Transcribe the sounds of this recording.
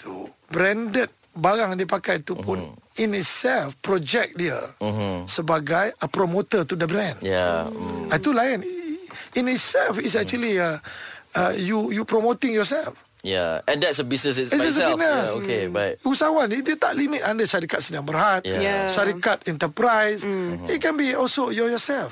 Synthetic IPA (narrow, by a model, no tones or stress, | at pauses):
t̪u | bɾɛndət̪̚ | baɾaŋdiəpakajt̪upʊninit̪̚sɛlfpɾɔd͡ʒɛk̚diə̰ | səbaɡajəpɾomot̪ət̪udəbɾɛ̃nja̰at̪ulaən | init̪̚sɛlfis̬ɛk̚t͡ʃuəliaəjujupɾomot̪ĩŋjɔsɛlf | ja̰ɛ̃ndɛtsəbisnəs̬isɛsəbinəsokebaɪusawãnidet̪aʔlimit̪̚ãndəʃaɾikat̪̚sinãŋbərhat̪̚jʃaɾikat̪ɛ̃nt̪əpɾajsit̚kɛ̃nbiɔlsojɔjɔsɛlf